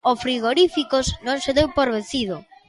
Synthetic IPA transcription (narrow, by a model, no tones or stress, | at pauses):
ofɾiɣ̞oɾifikoznõŋseðewpoɾβeθiðʊ